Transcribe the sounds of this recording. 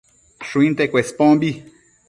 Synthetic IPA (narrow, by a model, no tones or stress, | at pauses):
ʃuĩnt̪ekʷespõmbi